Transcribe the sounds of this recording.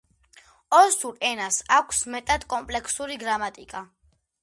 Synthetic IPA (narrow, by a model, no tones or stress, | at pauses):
ɔsuɾɛnasakʷʰsmɛt̪ʼad̪̥kʼɔmpʼlɛkʰsuɾiɡɾamat̪ʼikʼa